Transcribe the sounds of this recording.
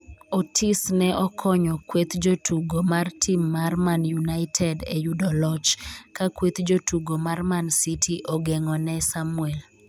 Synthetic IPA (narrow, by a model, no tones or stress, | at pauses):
otʰisnɛʔɔkʰɔɲɔkwet̪d͡ʒotʰuɡomartʰimːarmanjunaɪtʰɛdɛ̰judɔlɔt͡ʃkakwet̪d͡ʒotuɡomarmansitʰiʔɔɡɛŋɔnɛsamwɛl